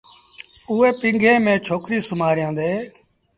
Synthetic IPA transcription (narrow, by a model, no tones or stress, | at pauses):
uːeːpɪ̃ŋɡʱẽːmẽːt͡ʃʰoːkɾiːsʊmaːɾɪjãːnd̪eː